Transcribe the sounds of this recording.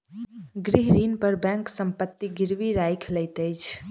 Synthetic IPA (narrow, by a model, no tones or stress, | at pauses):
ɡɾiɦɾinpəɾbɛ̃ŋksəmpət̪ːiɡiɾʋiɾajkʰləɪt̪əjt͡ʃʰ